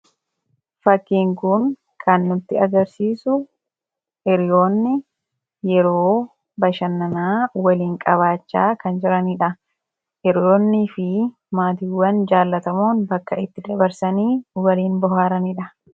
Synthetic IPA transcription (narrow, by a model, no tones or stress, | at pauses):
fɐkːiːŋkʊn | kʰɐnːʊt̪ːɪɐɡɐɾsiːsʊ | ʔɛɾɪjo̞ːnːɪ | jɛɾo̞ː | bɐʃɐnːɐnaːwɐliːŋkʼɐβaːt͡ʃːaːkɐnd͡ʒɪɾɐniᶑɐ | ʔɛɾɪjo̞ːnːifɪ | maːt̪iːwːɐnd͡ʒaːlːɐt̪ɐmoːnbɐkːɐɪt̪ːɪd̪ɐbɐɾsɐniːwɐliːnbɔhaːɾɐniᶑɐ